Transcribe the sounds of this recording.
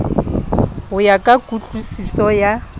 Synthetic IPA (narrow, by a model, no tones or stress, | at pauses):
ɦʊjakʼakʼut͡ɬʼusisɔja